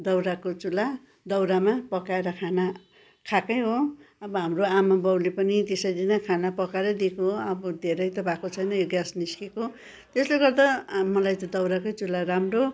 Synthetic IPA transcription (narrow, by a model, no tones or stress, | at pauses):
d̪ʌwɾakot͡sula | d̪ʌwɾamapʌkaeɾʌkʰana | kʰakʌjɦoʌbʌɦamroamabʌwlepʌnit̪esʌjɾinakʰanapʌkaeɾʌd̪ikoʌbʌd̪ʱeɾʌjt̪ʌbʱakot͡sʰʌjnʌjoɡjasniskeko | t̪esleɡʌrd̪amʌlajt̪ʌd̪ʌwɾakojt͡sulaɾamro